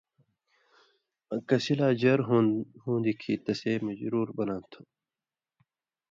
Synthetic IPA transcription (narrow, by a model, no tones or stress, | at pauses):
ɐkɐsilaːd͡ʑɐɾɦhũːnd̪ikʰiːt̪ɐseːmɐd͡ʑɾuːɾbɐnãːnt̪ʰu